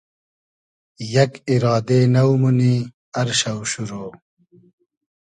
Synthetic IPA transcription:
jɐkiɾɑːd̪enɐwmuni | ɐɾɕɐwɕuɾoː

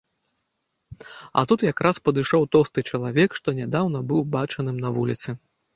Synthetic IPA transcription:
ɐ̰t̪ut̪jakɾaspɐd̪ɨʂɔwt̪ɔwst̪ɨt͡ʂɐlˠavʲɛkʂt̪ɔnʲad̪awn̪ɐbɨwbat͡ʂɐnɨmnɐvulʲit̪sɨ

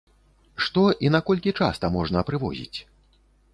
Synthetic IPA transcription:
ʂt̪ɔʔinɐkɔlʲkʲit͡ʂa̰st̪ɐmɔʐnɐpɾɨvɔ̰zʲḭt͡sʲ

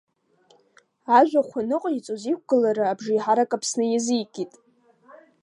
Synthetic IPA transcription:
aʒʷᶣaχʷanɨqʼit͡sʼozik̚ʷɡ̥ɨlaɾɨabʐiħaɾakʼapʰsnɨjɪzijkʲʼitʼ

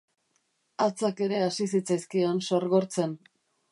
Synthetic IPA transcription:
at͡sake̞ɾe̞asisit͡sajskianso̞ɾɣo̞ɾt͡se̞n

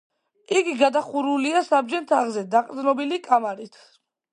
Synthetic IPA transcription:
iɡiɡad̪aχuɾuliasab̚d͡ʒɛnt̪ʰaʁzɛd̪aqʼd̪nɔbilikʼamaɾit̪ʰ

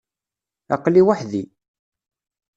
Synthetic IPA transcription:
ɑ̰qliwaħði

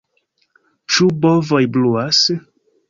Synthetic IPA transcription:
t͡ʃubɔvojbluas

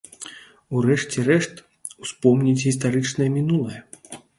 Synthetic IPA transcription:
urɛʂt͡sʲɛrɛʂt̪ | uspɔmnʲit͡sʲɣʲist̪aɾɨt͡ʂnɐjɐmʲinulˠɐjɐ

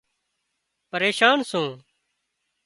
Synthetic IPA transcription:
pəɾeːʃaːnsũː

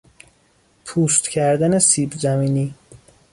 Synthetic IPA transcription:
pʰuːst̪cʰæɾd̪ænesiːbzæmiːniː

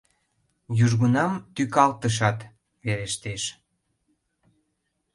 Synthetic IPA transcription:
jyʒɣunɑmt̪ykɑlt̪əʃ̬ɑt̪ | βeɾeʃt̪eʃ

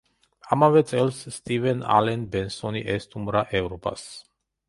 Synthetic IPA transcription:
amavɛt̪sʰʼɛlsːt̪ʼivɛna̰lɛnbɛnsɔniʔɛst̪ʰumɾaʔɛvɾɔpʼa̰s

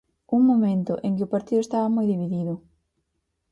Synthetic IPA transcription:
uŋmomẽnt̪ʊʔeŋkɪopaɾt̪iðʊest̪aβɐmojðiβ̞iðiðʊ

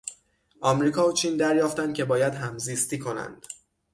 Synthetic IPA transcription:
ʔɒːmɾiːkʰɒːot͡ʃʰiːnd̪æɾjɒːft̪ænd̪̥̚cʰʲe̞bɒːjæd̪ɦæmziːst̪iːkʰo̞næ̰nd̪̥

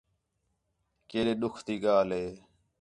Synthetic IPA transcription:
keːɗeːɗʊkʰt̪iːɠaːlɦeː

